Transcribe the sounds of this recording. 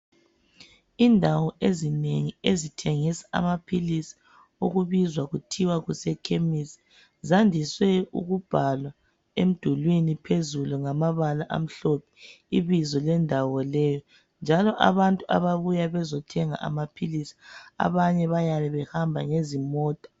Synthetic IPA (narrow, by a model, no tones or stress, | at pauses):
indʱawɔʔezineŋiezitʰeŋisḁa̰mapʰilisi̥ | ṵɣuβizwaɣutʰiwaɣusɛkʰemisi̥ | zandʱiswɛṵɣub̥ʱalwa | em̩d̥ʱulwinipʰezuluŋamaβalaʔa̰m̩ɬɔpʰɛ̥ | iβizɔlɛndʱawɔlɛjɔ | nd͡ʒʱalɔʔa̰βantʼua̰βaβujaβɛzɔtʰɛŋa̰ʔa̰mapʰilisi̥a̰βaɲɛβajalɛβɛhambʱaŋezimɔːtʼḁ